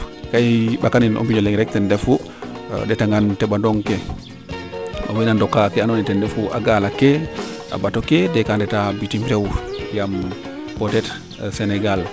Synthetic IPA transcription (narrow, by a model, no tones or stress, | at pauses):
kajɓakaninʔo̰mbiɲɔlɛŋɾɛk̚tɛndɛfu | dɛtaŋɡantɛɓadɔŋkɛ | a̰winandɔkːakɛanɔnitɛndɛfuʔa̰ɡalakɛʔa̰batɔkɛdɛkandɛtabitimɾɛwjam | pɔtɛt | sɛnɛɡal